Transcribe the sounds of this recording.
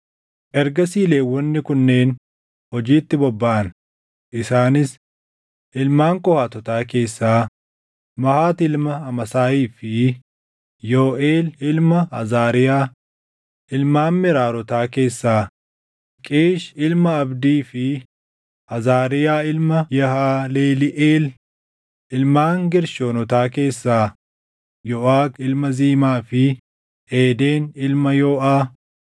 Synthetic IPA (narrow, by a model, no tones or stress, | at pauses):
ʔɛɾɡɐsiːleːwɔnːɪkʊnːe̞ːn | hɔd͡ʒiːt̪ːɪbɔbːɐʔɐn | ʔɪsaːnɪs | ɪlmaːŋkʼɔhaːt̪ɔt̪aːke̞ːsːaː | mɐhaːt̪ɪlmɐɐmɐsaːiːfɪ | joːʔeːlɪlmɐɐ̰zaːɾɪjaː | ɪlmaːmːɪɾaːɾɔt̪aːke̞ːsːaː | kʼeːʃɪlmɐːbd̪iːfɪ | ɐzaːɾɪjaːɪlmɐjɛhaːleːlɪʔeːl | ʔɪlmaːŋɡɪɾʃoːnɔt̪aːke̞ːsːaː | jɔːʔaːkɪlmɐziːmaːfɪ | eːd̪e̞ːnɪlmɐjoːʔaː